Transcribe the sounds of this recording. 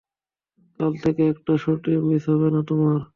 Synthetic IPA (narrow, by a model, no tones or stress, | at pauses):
kalt̪ʰekeɛk̚ʈaʃoʈiomit̪ɔβenat̪omaɾ